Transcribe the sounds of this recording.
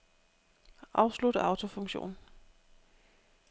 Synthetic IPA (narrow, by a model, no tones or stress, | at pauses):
ʔɑ̈ʊslud̥əɑ̈ʊt͡sʰo̝fɔ̽ŋɕo̝̰ːn